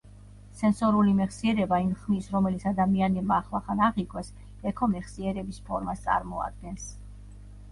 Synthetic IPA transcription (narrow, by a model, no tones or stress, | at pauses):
sɛnsɔɾulimɛχsiɛɾɛbaimχmisɾɔmɛlit̪sʰad̪amianɛbmaːχlˠaχanaʁikʰwɛs | ɛkʰɔmɛχsiɛɾɛbispʰɔɾmast̪sʼa̰ɾmɔa̰d̪̚ɡɛns